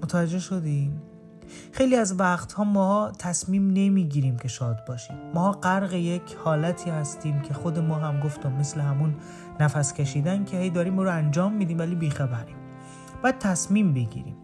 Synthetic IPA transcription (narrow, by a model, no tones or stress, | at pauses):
mot̪ʰævæd͡ʒːe̞ʃod̪im | xe̞jliːæzvæχt̪hɒːmɒːht̪ʰæsmiːmne̞miːɟiːɾiːmcʰe̞ʃɒːd̪̚bɒːʃiːmːɒːɢæɾɣejecʰhɒːlæt̪ʰiːhæst̪iːmcʰe̞xod̪e̞mɒːɦæmɡo̞ft̪umːesleɦæmunː | æfæscʰeʃiːd̪æncʰe̞hejd̪ɒːɾiːmbɔːɾoænd͡ʒɒːmːid̪iːmvæliːbiːxæbæɾiːm | b̥æːd̪̥̚t̪ʰæsmiːmbe̞ɟḭːɾḭːm